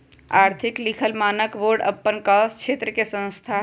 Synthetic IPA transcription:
aːɾt̪ʰɪklikʰəlmaːnəkʋoːɾɖə̰pːənkaːst͡ʃʰeːt̪ɾəkesə̃nst̪ʰa

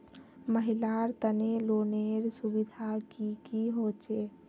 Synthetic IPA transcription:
məɦilaɾt̪əneloneɾsubid̪ʱakikiɦoːt͡ʃe

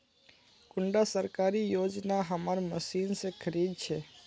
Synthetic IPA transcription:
kʊɳɖasəɾkaːɾijoːd͡ʒnaɦəmaɾməsiːnsekʰəɾiːd̪̚t͡ʃʰeː

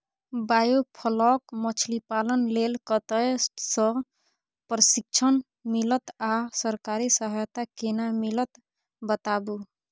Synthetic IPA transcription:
bajopʰəlɔkmət͡ʃʰlipalənlelkət̪əjsə̃ | pɾəsik̚t͡ʃʰən | milət̪asəɾkaɾisəɦəjt̪akenamilət̪ | bət̪abu

